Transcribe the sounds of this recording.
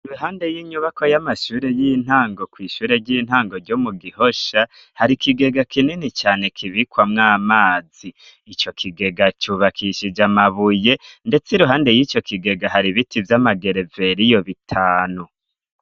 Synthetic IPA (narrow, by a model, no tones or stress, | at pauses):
iɾuɦaːnde̞jiːɲuβako̞jamaʃuːɾe̞jin̥haːŋɡo̞kwiːʃuːɾe̞ɾɟiːn̥haːŋɡo̞ɾɟo̞muɡiho̞ʃa | haɾikiɡe̞ɡakininit͡ʃaːne̞kʰiβikwamŋaːmaːz̥iː | t͡ʃo̞kʰiɡe̞ɡat͡ʃuβakʰiʃid͡ʒamaβujende̞t͡siɾuɦaːnde̞jiːt͡ʃo̞kiɡe̞ɡaɦaɾiβitʰivjamaɡe̞ɾe̞ve̞ɾijo̞βitʰaːnu